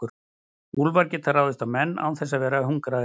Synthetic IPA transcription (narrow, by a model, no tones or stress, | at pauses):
ʏɾ | ulvaɾcɪt̪ʰarawðɪst̪amɛnːa̰wθɛs̬ːavɛːɾahuŋkɾa